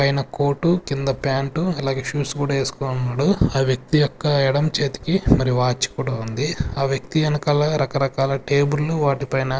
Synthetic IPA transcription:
pɐjnɐko̞ːʈukind̪ɐpjaːɳʈuɛlaːɡeʃuːskuːɽaːe̞ːsu̥koːnunːaːɽuaːʋjɐk̚t̪ijɔkːɐɛɽɐmt͡ʃe̞ːt̪i̥kimɐɾiuʋaːt͡ʃːi̥kuːɽaund̪iaːʋjɐk̚t̪iɐnɐkaːlɐɾɐkɐɾɐkaːlɐʈeːbuɾlːuʋaːʈipɐjnɐ

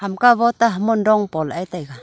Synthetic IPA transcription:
hamkaβɔt̪aɦəmundɔŋpɔlajt̪ajɡa

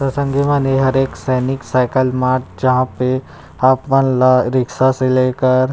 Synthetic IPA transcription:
pɾɐsə̃ŋɡemaneɦɐɾeːksɛːniksaɪkəlmaːɾʈ̚d͡ʒɐɦãpe | aːpmɐnlaɾɪksaseleːkəɾ

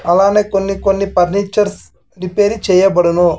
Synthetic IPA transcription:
ɐlaːneːkonːikonːipɐɾniːt͡ʃɐɾs | ɾipeːɾit͡ʃɛːjɐbɐɽunu

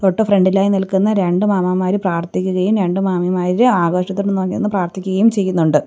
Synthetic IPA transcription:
t̪oʈːɨfreɳɖilaːjinilkunːɐɾe̞ɳɖɨmaːmɐmaːɾipraːrt̪ʰikʲːuɣɐjumɾe̞ɳɖɨmaːmimaːɾiɾɨaːɡoːʂɐt̪̬ːilːunːoːkːijenːɨpraːrt̪ʰikʲːuɣɐjumt͡ɕe̞jːunːuɳɖɨ

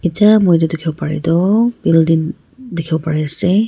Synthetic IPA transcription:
etiamojdʊdekʰibɔpaɹɛ̰dɔbildin | dekʰibɔpaɹɛasɛ

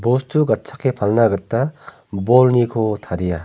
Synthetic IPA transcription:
bostʰuɡɐt̚sʰakːepʰɐlnaɡɐtːa | bolnikʰotʰaɾija

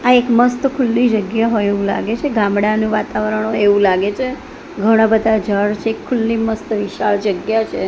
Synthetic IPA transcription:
aekməst̪kʰulːid͡ʒəɡjaɦoeʋũla̰ɡet͡ʃʰeɡamɽanũʋat̪aʋɾəɳ̃ɦoeʋũlaɡet͡ʃʰe | ɡʱəɽ̃abəd̪ʱad͡ʒʱəɽt͡ʃʰeːkʰːulːiməst̪ʋiʃaɭd͡ʒəɡjat͡ʃʰe

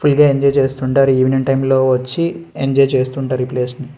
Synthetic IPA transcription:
pʰulɡaːeɲd͡ʒɔjt͡ʃe̞ːst̪uɳʈaːɾiiːʋiniɳʈɐjmlo̞ːʋɐt͡ʃːieɲd͡ʒɔjt͡ʃe̞ːst̪uːɳʈaːɾipleːsni

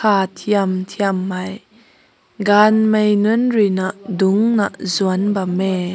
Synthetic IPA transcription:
aːt̪ʰiəmt̪ʰiəmːaj | ɡaːnmejnunrinaʔd̪ʊŋnaʔzuanbɐme

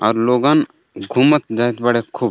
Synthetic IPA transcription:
ɔɾloːɡan | ɡʱumət̪̚d͡ʒaːjt̪bəɽekʰuːb

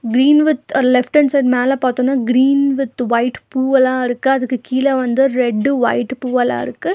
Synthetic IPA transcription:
ɡɾiːnʋɪt̪lɛfʈɐnsɐɾmeːlɐ̃paːt̪oːnːaːɡɾiːnʋɪt̪ːʋɐɪʈpuːɐlãːɪɾɯkːɯɐðɯkːɯkiːlɛʋɐnd̪ɯɾɛɖːɯʋɐ̰ɪʈpuːɐla̰ːɪ̰ɾɯkːɯ

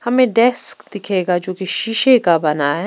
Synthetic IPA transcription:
hɐmẽɖɛskd̪ɪkʰeːɡad͡ʒoːkeʃiːʃekabɐnaɦɛ

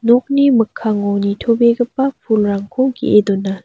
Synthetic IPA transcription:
nɔk̚nimɯkʰːaŋownitʰobeɡɐpːɐpʰulɾaŋkʰɔwɡḭʔedɔnːa

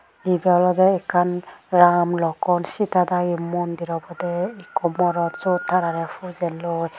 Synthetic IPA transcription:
ibiawlɔdɛɛkʰanɾamlɔkɔnsitadaɡimɔndiɾɔbɔdɛikʰɔmɔɾɔtzɔtʰːaɾaɾɛpʰuzɛlɔj

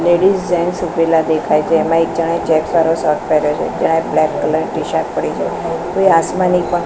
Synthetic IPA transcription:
leɽisd͡ʒɛnsubelad̪ekʰajt͡ʃʰeːmãek̚d͡ʒəɽ̃ajt͡ʃɛksaɾosɔɾʈpɛɾot͡ʃʰḛd͡ʒəɽ̃ajblɛkːələɾɖiʃak̚pəɽit͡ʃʰekoiasmanikã

